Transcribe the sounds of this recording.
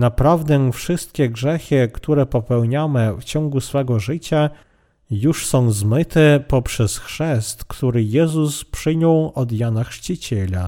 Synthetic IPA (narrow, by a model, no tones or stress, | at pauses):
napɾavd̪ɛfʂɘst̪̚kʲɛɡʐɛxɘkt̪uɾɛpɔpɛwɲamɘft͡ɕɔŋɡusfɛɡɔʐɘt͡ɕa | juʂsɔ̃w̃zmɘt̪ɛpɔpʂɛsxʂɛst̪kt̪uɾɘjɛzuspʂɘɲɔwɔd̪janaxʂt͡ɕit͡ɕelʲa̰